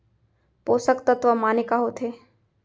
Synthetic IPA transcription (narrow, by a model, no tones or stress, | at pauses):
poːsəkt̪ɐt̪ʋəmaːnekaɦot̪ʰeː